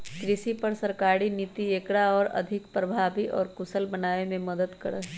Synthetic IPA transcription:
kɾɪsipɐɾsɐɾkaːɾiniːt̪ieːkɽaɔːɾɐ̰d̪ʱɪkpɾəbʱaːbiʔɔ̰ːɾkʊsəlbɐnaːemẽmɐd̪əd̪kɐ̰ɽə

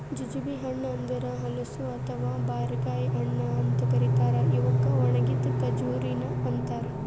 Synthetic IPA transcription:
d͡ʒid͡ʒubiɦɐɳːɐɐnd̪ɐɾɐɦɐlɐsuɐt̪ʰɐʋaːbaːɾɡaːjɦɐɳːɐɐnt̪ɐkɐɾit̪aːɾɐiʋɐkːɐʋɐɳɐɡit̪t̪ɐd͡ʒuːɾinɐɐnt̪ɐɾɐ

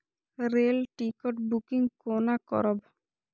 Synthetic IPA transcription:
ɾelʈikɔʈbukiŋkonakɔ̰ɾɔb

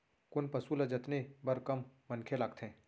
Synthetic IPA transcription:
kʊnpɐsulɐd͡ʒɐt̪nebɐɾkɐmːɐnkʰelaːɡt̪ʰẽː

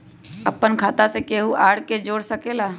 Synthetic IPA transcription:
əpːənkʰaːt̪asekeːɦuʔaːɽked͡ʒoːɽsəkeːlaː

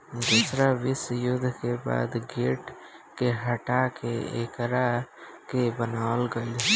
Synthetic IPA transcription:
d̪ʊsɾaʋɪsjʊd̪ʱːkeba̰ːd̪ɡeːʈkeɦəʈakeḛkɾakebənaːlɡəl

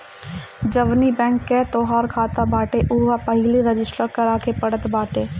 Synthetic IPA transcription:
d͡ʒəʋnibɛ̃ːŋkːet̪oːɦaːɾkʰaːt̪abaːʈeʔuʋapəɦɪliɾəd͡ʒɪsʈɾakɐɾaːkepɐɽət̪baːʈeː

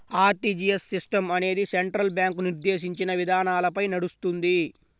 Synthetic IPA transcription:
aːɾʈiːd͡ʒiesːisʈɐmɐne̞ːd̪iseɳʈɾɐlbjaːŋkuniɾd̪e̞ːʃiɲt͡ʃinɐʋid̪ʱaːnaːlɐpɐjnɐɽust̪und̪i

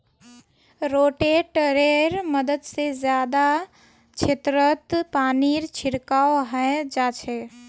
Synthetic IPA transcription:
ɾoːʈeʈəɾeɾməd̪əd̪sezjaːd̪a | t͡ʃʰet̪ɾət̪paːniɾt͡ʃʰɪɾkaːɦɛd͡ʒaːt͡ʃʰɛ

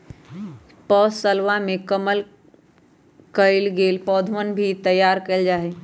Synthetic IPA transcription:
pɔːsəlʋamẽkəməl | kəɪlɡeːlpɔːd̪ʱʋənbʱit̪əjːaːɾkəld͡ʒaːɦe

